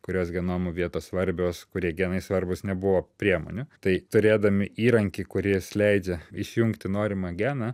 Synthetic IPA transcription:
kʊɾʲoːsɡʲɛnoːmʊʋʲiɛt̪oːsʋɐɾʲbʲoːskʊɾʲiɛɡʲɛːnɐɪsʋɐɾʲbʊsnʲɛbʊʋoːpʲɾʲiɛmo̰ːnʲʊt̪ɐɪt̪ʊɾʲeːd̪ɐmʲɪiːɾɐŋʲkʲikʊɾʲɪslʲɛɪd͡ʒʲɛɪʃʲjʊŋkt̪ʲɪnoːɾʲɪmɐɡʲæːnɐ

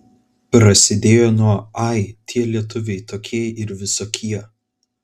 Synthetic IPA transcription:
pɾɐsʲɪd̪ʲeːjoːnuɔɐɪt̪ʲʰiɛlʲiɛt̪ʊʋʲɛɪt̪oːkʲiɛjɪɾʋʲɪsoːkʲiɛ

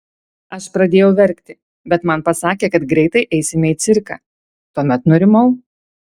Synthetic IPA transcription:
ɐʃpɾɐd̪ʲeːjɛʊʋʲɛɾʲˑkt̪ʲɪ | bʲɛt̪mɐnpɐsɑːkʲeːkɐt̪ɡɾʲɛɪt̪ɐɪʔɛɪsʲɪmʲɛɪt̪sʲɪɾkɑ̰ː | t̪uɔmʲɛt̪nʊɾʲɪmɐʊ

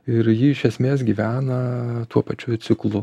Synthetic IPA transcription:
ɪɾjiːɪʃʲɛsʲmʲeːsɡʲiʋʲæːnɐt̪uɔpɐt͡ʃʲʊt̪sʲɪklˠʊ

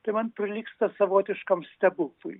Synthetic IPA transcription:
t̪ɐɪmɐnpʲɾʲɪlʲiːkst̪ɐsɐʋoːt̪ʲɪʃkɐmsʲt̪ʲɛbʊkʊj

